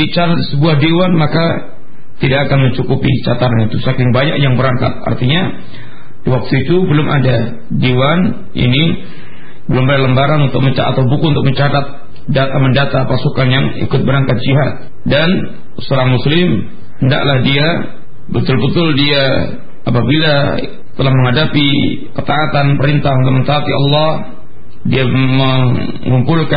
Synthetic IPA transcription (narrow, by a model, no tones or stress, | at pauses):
bit͡ʃaɾaisəbuahdewanmaka | t̪idakakanməɲt͡ʃukupḭt͡ʃat̪aɾanit̪usakɪŋbaɲak̚jaŋbəɾaŋka̰t̪̚a̰rt̪iɲa | diwak̚t̪uit̪ubəlʊmʔa̰da | dewan | ʔḭni | bəlʊmbadləmbaɾanunt̪ʊk̚məɲt͡ʃa̰at̪awbukuunt̪ʊk̚məɲt͡ʃat̪at̪̚ | dat̪aməndat̪apasukanjaŋḭkʊt̪̚bəɾaŋkat̪̚d͡ʒiɦat̪̚ | dan | soɾahmuslɪm | hənda̰klahdia | bət̪ʊlbət̪ʊldia | apabila | t̪əlahməŋadapi | kət̪aːt̪anpəɾint̪aunt̪ʊk̚mənt̪aːt̪iɑ̰lːɑh | diamə | ŋumpulka